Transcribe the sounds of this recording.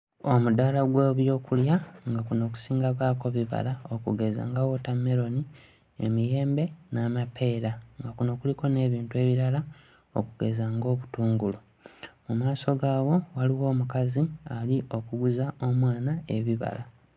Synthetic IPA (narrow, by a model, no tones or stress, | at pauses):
o̞mudalaɡweːβjo̞ːkuljaŋɡakuno̞ːk̬u̥siːŋɡaβaːko̞βiβa̰laokuɡe̞za̰ŋɡawo̞tamːe̞ɾo̞ni | e̞̰mije̞ːmbe̞naːmapʰe̞ːɾaŋɡakuno̞ːkuliko̞ne̞ːβiːntue̞ːβiɾala | o̰kuɡe̞zaŋɡo̞ːβutuːŋɡulu | mumaːso̞ɡaːwo̞waliwo̞ːmukazialiʔo̞kuɡuzao̞mwaːnae̞βiβa̰la